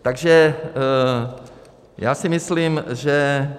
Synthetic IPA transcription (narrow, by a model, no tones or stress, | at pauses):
t̪aɡʒɛ | ja̰ːsɪmɪsliːmʒɛ